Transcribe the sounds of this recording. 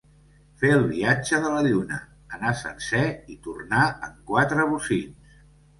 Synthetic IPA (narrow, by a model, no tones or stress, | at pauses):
feəlˠβiad͡ʒəðələʎunə̰ | ənasə̰nsɛit̪urnaə̰ŋkwat̪ɾəβ̞usiʎs